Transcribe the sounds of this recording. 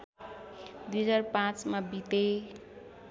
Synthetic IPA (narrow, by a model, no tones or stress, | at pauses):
d̪ujd͡zarpãt͡smabit̪e